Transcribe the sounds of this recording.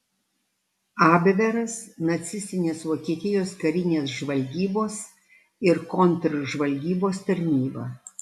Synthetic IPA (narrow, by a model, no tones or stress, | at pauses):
ɑːbʲʋʲɛɾɐsnɐt̪sʲɪsʲt̪ʲɪnʲeːsʋoːkʲiɛt̪ʲɪjoːskɐɾʲɪnʲeːsʒʋɐlʲɡʲiːboːs | ɪɾkɔnʲt̪ɾʒʋɐlʲɡʲiːboːst̪ɐɾʲnʲiːbɐ̰